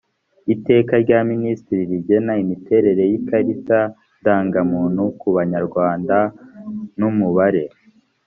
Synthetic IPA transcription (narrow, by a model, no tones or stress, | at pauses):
ite̞ːkaɾɟaːministiɾiɾiɟe̞naimite̞ɾe̞ɾe̞jikaɾita | daːŋɡamuːn̥hukuβaɲaɾɡwaːnda | numuβaɾe̞